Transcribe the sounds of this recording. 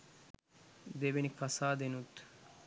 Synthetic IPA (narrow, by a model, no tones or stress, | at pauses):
d̪ebenikɐsaːd̪enut̪